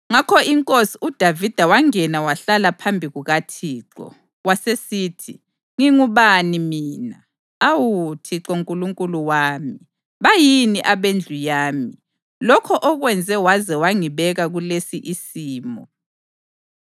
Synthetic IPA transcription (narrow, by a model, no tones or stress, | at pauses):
ŋakʰɔiŋkʼosiud̥ʱavid̥ʱawaŋɛnawaɬalapʰambʱiɣuɣatʰiːǁɔ̰ | wasesiːtʰḭ | ŋiŋuβanimiːna | awutʰiǁoŋkʼuluŋkʼuluwaːmi | βajiniʔaβend͡ɮʱujaːmi | lɔkʰɔʔɔɣwɛnd͡zʱɛwazɛwaŋiβɛɣaɣulesiʔisiːmɔ